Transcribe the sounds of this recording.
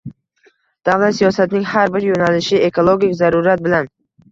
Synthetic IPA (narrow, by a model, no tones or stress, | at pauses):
d̪̥avlat̪sijɒsat̪ɪnɪŋhaɾbɪɾjonalɪʃɪe̞kʰolˠoɡʲɪkʲzaɾuɾat̪̚bɪlan